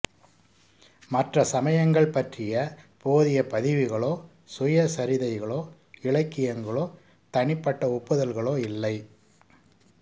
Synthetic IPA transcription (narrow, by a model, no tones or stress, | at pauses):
mɐʈrɐsɐmɐjɐŋɡɐɭpɐʈrɪjɐpoːðɪjɐpɐðɪʋɪɣɐɭoː | sʊjɐsɐɾɪðɐɪɣɐɭoː | ɪɭɐɪkːɪjɐŋɡɐɭoː | t̪ɐɳɪpːɐʈːɐɔpːɯðɐlɣɐɭoːɪlːɐɪ